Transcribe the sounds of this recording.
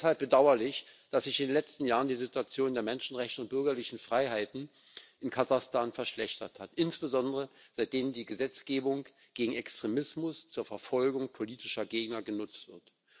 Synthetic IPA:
shalp̚b̥ədaʊɐlɪçd̥asz̥ɪçɪndenlɛt͡stn̩jaːʁəndiːzɪtuat͡sjoːndeːɐmɛnʃn̩ʁɛçtəʊnt̚b̥ʏɐɡɐlɪçn̩fʁ̥aɪɦaɪtn̩ | ʔɪnkʰazaχstʰaːnfɛɐʃlɛçtɐ̰thatʔɪnsb̥əzɔndəʁəz̥aɪt̚d̥eːməndiːɡəzɛt͡sɡ̥eːbʊŋ | ɡ̥eːɡŋ̩ɛkstʁ̥emɪsmʊst͡suːɐfɛɐfɔlɡʊŋpʰoliːtɪʃɐɡeːɡnɐɡənʊt͡stv̥ɪɐt

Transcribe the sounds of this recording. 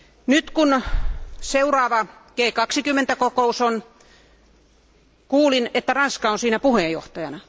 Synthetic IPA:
nyt̪kun | seurɑːʋɑkeːkɑksikymːent̪ækokouson | kuːlinet̪ːærɑnskɑonsiːnæpuhejjo̰ht̪ɑjɑnɑ

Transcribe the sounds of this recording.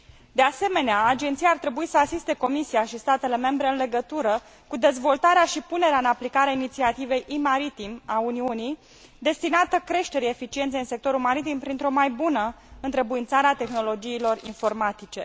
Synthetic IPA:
d̪ease̞me̞neaːd͡ʒe̞nt̪sijart̪ɾe̞buisəasist̪e̞ko̞misiaʃist̪at̪e̞le̞me̞mbɾe̞ɨnleɡət̪uɾə | kud̪e̞zvo̞lt̪aɾeaʃipune̞ɾeaɨnaplikaɾeainit̪siat̪ive̞jʔimaɾit̪imauniunij | d̪e̞st̪inat̪əkɾe̞ʃt̪e̞ɾiefit͡ʃient̪sejiɨnse̞k̚t̪o̞ɾulmaɾit̪impɾint̪ɾo̞majbunə | ɨnt̪ɾebuint̪saɾeat̪e̞xno̞lo̞d͡ʒiːlo̞rḭnfo̞rmat̪it͡ʃe̞̰

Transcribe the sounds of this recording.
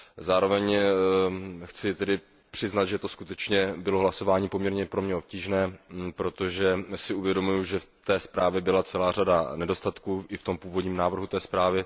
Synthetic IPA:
zaːɾo̞vɛɲ | xt͡sɪt̪ɛdɪ | pr̥ɪznat̪ʒɛt̪o̞skut̪ɛt͡ʃɲɛbɪlo̞ɦlaso̞vaːɲiːpo̞mɲɛɾɲɛpɾo̞mɲɛo̞p̚ciːʒnɛːpɾo̞t̪o̞ʒɛsɪuvjɛdo̞mujuʒɛft̪ɛːspɾaːvjɛbɪlat͡sɛlaːradanɛdo̞st̪at̪kuːʔɪft̪o̞mpuːvo̞dɲiːmnaːvr̩ɦut̪ɛːspɾaːvɪ

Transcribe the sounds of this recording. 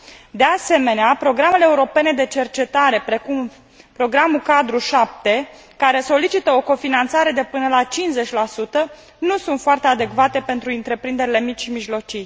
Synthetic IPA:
d̪e̞ase̞me̞neapɾo̞ɡɾameleːuɾo̞pe̞ne̞d̪e̞t͡ʃe̞rt͡ʃe̞t̪aɾe̞pɾe̞kum | pɾo̞ɡɾamukad̪ɾuʃap̚t̪e̞ | kaɾe̞so̞lit͡ʃit̪əo̞ko̞finant̪saɾe̞d̪e̞pɨnəlat͡ʃinze̞t͡ʃʲlasut̪ə | nusunt̪foart̪ead̪e̞kvat̪e̞pe̞nt̪ɾuint̪ɾe̞pɾind̪e̞ɾile̞mit͡ʃʲʃimiʒlo̞t͡ʃij

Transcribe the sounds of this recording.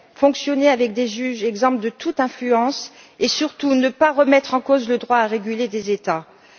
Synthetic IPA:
fɔ̃ksjɔneavɛk̚d̪eʒyʒɛɡzɑ̃pld̪ət̪ut̪ɛ̃flyɑ̃s | esyʁt̪unəpaʁəmɛt̪χɑ̃kozləd̪ʁwaːʁeɡʲyled̪ezet̪a

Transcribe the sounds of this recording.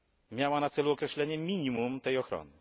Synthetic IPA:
mʲjawanat̪sɛluɔkɾɛɕlɛɲɛmʲiɲimumt̪ɛjɔxɾɔ̰nɘ

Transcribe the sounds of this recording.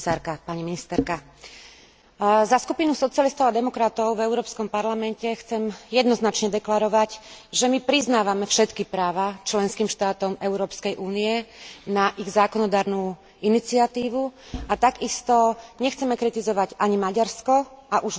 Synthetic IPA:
saːɾkapaɲiminist̪ɛɾka | zaskupinusɔt͡siɪalist̪ɔʊad̪ɛmɔkɾat̪ɔʊvɛʊɾɔːpskɔmpaɾlamɛncɛxt͡sɛmjɛd̪nɔznat͡ʃɲɛd̪ɛklaɾɔʋaɟʒɛmipɾiznaːʋamɛfʃɛt̪kipɾaːʋat͡ʃlɛnskiːmʃt̪aːt̪ɔmɛʊɾɔːpskɛjʔuːniɛnaʔiɣzaːkɔnɔd̪aːɾnuː | init͡siat̪iːʋuat̪aɡist̪ɔɲɛxt͡sɛmɛkɾit̪izɔʋaɟaɲimaɟaɾskɔaʔuʒ

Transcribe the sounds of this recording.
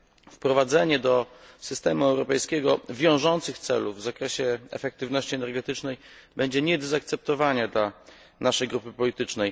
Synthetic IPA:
fpɾɔvad̪zɛɲɛd̪ɔsɘst̪ɛmuɛwɾɔpɛjskʲɛɡɔvʲjɔ̃w̃ʐɔnt̪sɘxt̪sɛ̰luvːzakɾɛɕɛɛ̰fɛk̚t̪ɘvnɔɕt͡ɕiɛnɛɾɡɛt̪ɘt͡ʂnɛjbɛɲd͡ʑɛɲɛd̪ɛzak̚t̪sɛp̚t̪ɔvaɲad̪la | naʂɛjɡɾupɘpɔlʲit̪ɘt͡ʂnɛj

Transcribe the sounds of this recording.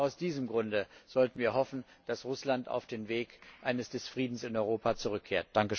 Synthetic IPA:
aʊsd̥iːzəmɡʁʊndəz̥ɔltn̩viːɐɦɔfn̩d̥asʁʊslanta̰ʊfd̥eːnveːkʔaɪnəsd̥ɛsfʁ̥iːdn̩sɪnɔʏʁoːpʰat͡suʁʏkʰːeːɐt̚d̥aŋkəʃ

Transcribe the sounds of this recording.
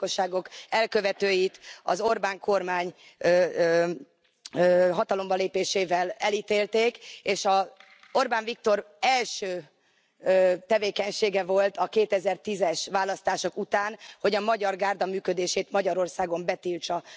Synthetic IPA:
oʃːaːɡo̞kɛlkøvɛt̪øːjit̪ɒ̰zo̞rbaːŋkʰo̞rmaːɲ | ɦɒt̪ɒlo̞mbɒleːpeːʃeːvɛlɛliːt̪eːlt̪eːkeːʃɒ | orbaːɱvik̚t̪o̞r | ɛlʃøː | t̪ɛveːkɛɲʃeːɡɛvo̞lt̪ɒkeːt̪ɛzɛrt̪izɛʃʋaːlːɒst̪aːʃo̞kut̪aːnho̞ɟɒmɒɟɒrɡaːrd̪ɒmyːkød̪eːʃeːt̪mɒɟɒɾo̞rsaːɡo̞mbɛt̪iːlt͡ʃɒ

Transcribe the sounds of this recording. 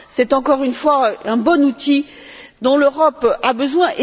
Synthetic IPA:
sɛt̪ɑ̃kɔʁynfwaɛ̃bɔ̃nut̪i | d̪ɔ̃løʁɔpabəzwɛ̃ʔe

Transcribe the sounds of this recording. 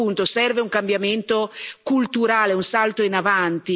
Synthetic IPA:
unt̪osɛrveuŋkambjament̪okult̪uɾaːleunsalt̪oinavant̪i

